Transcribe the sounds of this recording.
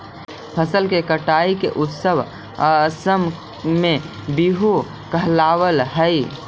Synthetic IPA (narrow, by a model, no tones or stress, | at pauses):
pʰəsəlkekəʈaikḛʔut̪səʋ | səm | me | biɦu | kəɦlaʋəlɦəj